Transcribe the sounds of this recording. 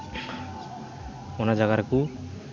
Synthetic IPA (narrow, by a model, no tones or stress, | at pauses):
onad͡ʒaɡaɾku